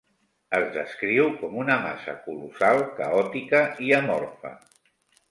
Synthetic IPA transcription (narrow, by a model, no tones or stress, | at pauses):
əzðəskɾiwkɔmunəma̰sə̰kulusalˠkəɔt̪ikəiəmɔɾfə̰